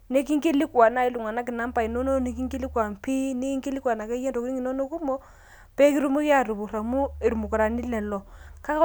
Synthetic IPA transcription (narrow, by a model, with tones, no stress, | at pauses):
ne˦ki˦ŋki˦li˦ka˨na˨˦i˦lu˨ŋa˨na˦k̬i˨na˦mpa˨i˨no˦no˦ni˦k̬i˦ŋki˦li˦kwa˨m˨pi˦ne˦ki˦ŋki˦li˦ka˨na˨ka˦je˦ndo˨ki˦ni˦ŋi˨no˦no˦ku˦mo˦ | pe˦ki˦ɾu˦mu˦ki˦a˦˨ɾu˨bu˨ɾa˨mu˦i˨ɾu˨mu˨ku˨ɾa˨ni˦lɛ˨lo˨ka˦